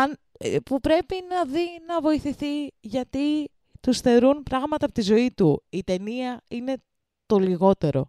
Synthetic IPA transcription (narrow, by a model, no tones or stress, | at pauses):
ɐn | pupɾe̞pinɐðinɐvo̞iθiθiʝɐt̪i | t̪usθe̞ɾunpɾɐɣmɐt̪ɐpot̪izo̞it̪uit̪e̞niɐine̞ | t̪o̞liɣo̞t̪e̞ɾo̞